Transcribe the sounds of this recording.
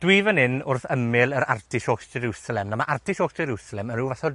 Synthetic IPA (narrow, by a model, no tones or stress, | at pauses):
d̥wiːvənɪnʊrθəmɪlˠəɾa̰rtʰiʃoːksɛɾusalɛmnamaʔartʰiʃoɔːksd͡ʒɛɾusalɛmənuːvaθɔ